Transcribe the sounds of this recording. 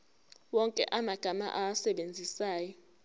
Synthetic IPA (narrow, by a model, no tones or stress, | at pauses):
wɔŋkʼɛ̰ʔamaɡ̥ʱama̰ʔawasɛɓend͡zʱisaːjɔ